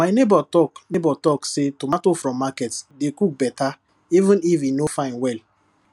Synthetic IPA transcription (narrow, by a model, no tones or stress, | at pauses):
maɪnebɔtɔknebɔtɔksetomatofɾɔ̃mːakɛtsdekuk̚bɛta | ivũnifinofãɪ̃nwɛl